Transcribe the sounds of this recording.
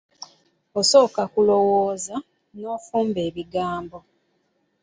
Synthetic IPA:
oso̞ːkakulo̞woːza | noːfuːmbeːβiɡaːmbo̞

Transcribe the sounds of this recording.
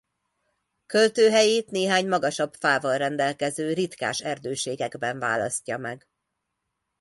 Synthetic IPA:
kølt̪øːɦɛjeːt̪neːɦaːɲmɒɡɒʃɒbfaːvɒlrɛnd̪ɛlkɛzøːrit̪ka̰ːʃɛrd̪øːʃeːɡɛɡbɛɱva̰ːlɒ̰scːɒmɛɡ

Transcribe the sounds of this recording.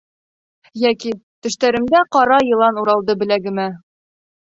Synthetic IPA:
jækit̪ɘ̆ʃt̪æɾɘ̆md̪æqɒɾɑjɤ̆lˠɑnuɾɑlˠd̪ɤbɘ̆læɡɘ̆mæ

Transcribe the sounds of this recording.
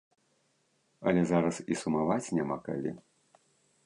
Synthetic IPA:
ɐ̰lʲɛzaɾɐsisumavat͡sʲnʲamaka̰lʲḭ

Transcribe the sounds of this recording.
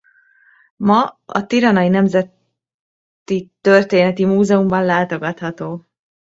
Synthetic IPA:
mɒɒ̰t̪iɾɒnɒjinɛmzɛt̪ | it̪ørt̪eːnɛt̪imuːzɛumbɒnlaːt̪o̞ɡɒt̪hɒt̪oː

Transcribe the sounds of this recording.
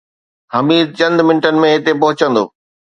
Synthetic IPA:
hɐmiːd̪̚t͡ɕɐ̃nd̪mɪnʈənɪ̆mẽɦɪt̪epɐɦʊt͡ɕə̃nd̪o̰ː

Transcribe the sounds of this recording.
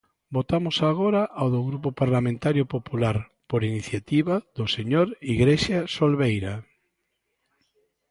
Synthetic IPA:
bot̪amʊsaɣ̞oɾaʔawðoɣɾupopaɾlamẽnt̪aɾjopopulaɾ | poɾiniθjat̪iβaðoseɲoɾiɣɾeʃjasolβejɾa

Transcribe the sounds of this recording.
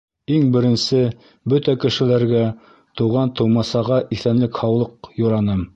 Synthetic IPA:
iŋbɘ̆ɾɘ̆nsɘ | bɵt̪ækɘ̆ʃɘ̆læɾɡæ | t̪uʁɑnt̪ɤ̆wmɑsɑʁɑʔiθænlɘkhɑwlˠɤqjŭɾɑnɤm

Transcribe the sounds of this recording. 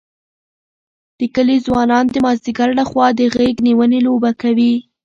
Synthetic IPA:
d̪̥əkəlizwɑnɑnd̪əmɑzd̪ɪɡaɾlaxwɑd̪əɣeɡniwənelobakawi

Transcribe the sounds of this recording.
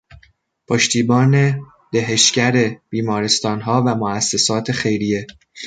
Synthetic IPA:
pʰoʃt̪ʰiːbɒːne̞ | d̪̥eɦeʃcæɾeb̥iːmɒːɾe̞st̪ɒːnɦɒːvæmoæsːesɒːt̪ʰe̞xe̞jɾije̞

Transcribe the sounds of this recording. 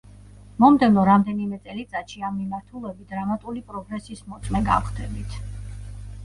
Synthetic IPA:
mɔmd̪ɛvnɔɾamd̪ɛnimɛt̪sʼɛlit̪sʼat̪ʃiamːimaɾt̪ʰulˠɛbit̪̚d̪ɾamat̪ʼulipʼɾɔɡɾɛsismɔt̪sʼmɛɡa̰fχd̪ʰɛbit̪ʰ

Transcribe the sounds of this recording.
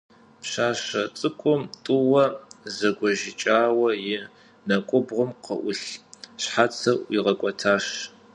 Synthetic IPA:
pɕaːɕɐt͡sʼɨkʷʼʊmtʼʊwɐzɐɡʷɔʒɪt͡ʃʼaːwɐjɪ | nɐkʷʼʊbʁʷʊmqə̰ʔʷʊɬɕħat͡sʰɐʔiʁɐkʷʼɔtʰaːʃ

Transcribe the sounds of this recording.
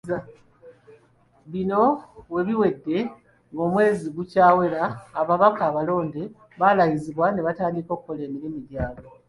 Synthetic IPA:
βino̞we̞βiwe̞dːe̞ | ŋɡo̞ːmwe̞ːziɡucaːwe̞laːβaβakaːβalo̞ːnde | βalajiziβwane̞βataːndiko̞ːkukole̞ːmiɾimidjaːɡo

